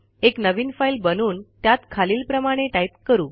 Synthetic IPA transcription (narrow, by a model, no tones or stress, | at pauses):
eknəʋiːnfailbənuːnt̪jat̪kʰaliːlpɾəmaɽ̃eʈajp̚kəɾuː